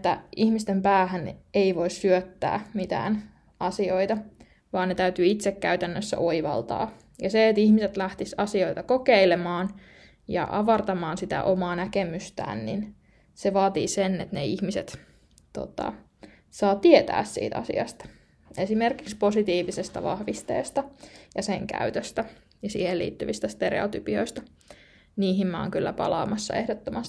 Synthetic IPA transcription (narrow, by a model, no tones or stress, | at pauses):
t̪ːæ̰ihmist̪empæːɦæneiʋoissyøt̪ːæ̰ːmit̪æ̰ːn | ɑsio̞it̪ɑ | ʋɑːnnet̪æyt̪yit̪sekːæyt̪ænːøsːæ̰ʔoiʋɑ̰lt̪ɑ̰ː | jɑseːt̪ihmiset̪læht̪isɑsio̞it̪ɑkokeilemɑːn | jɑ̰ʔɑʋɑrt̪ɑmɑːnsit̪æ̰ʔomɑːnækemyst̪æ̰ːnnḭn | seʋɑːt̪ḭːsenːet̪neihmiset̪ | t̪o̰t̪ɑ̰ | sɑːt̪iet̪æ̰ːssḭːt̪ɑ̰sḭɑ̰st̪ɑ̥ | esimerkiksposit̪iːʋisest̪ɑ̰ʋɑ̰hʋist̪ḛːst̪ɑjɑseŋkæ̰yt̪øst̪æ | jɑsḭːhelḭːt̪ːyʋist̪æst̪eɾḛot̪ypio̞̰ist̪ɑ | niːɦimmɑo̰ŋkylːæpɑ̰lɑ̰ːmɑsːɑ̰ehdot̪ːomɑs